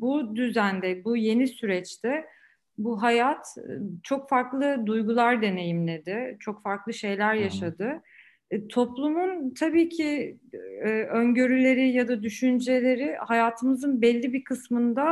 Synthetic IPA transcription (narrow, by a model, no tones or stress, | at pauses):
bud̪yzænd̪ɛbuje̞nisyɾɛt͡ʃt̪ʰɛ | buɦajat̪t͡ʃʰo̞kfaɾklˠɯd̪ujɡulˠaɾd̪e̞ne̞jimlʲe̞d̪ɪt͡ʃʰo̞kfaɾklˠɯʃe̞jlʲæɾjaʃad̪ɯ | t̪ʰo̞plˠumunt̪ʰabiːcʰɪː | øɲɟøɾylʲe̞ɾɪjad̪ad̪yʃynd͡ʒe̞lʲe̞ɾɪhajaːt̪ʰɯmɯzɯnbɛlʲːibikʰɯsmɯnd̪a